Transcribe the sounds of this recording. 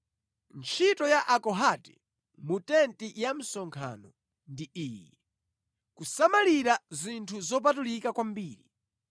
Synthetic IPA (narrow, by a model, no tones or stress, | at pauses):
nt͡ʃʰitɔjaʔakɔɦatɛ̥ | mutɛntijam̩sɔŋkʰa̰nɔ | ndiiːji | kusamaliɾazintʰuzɔp̬atulikakwambiːɾi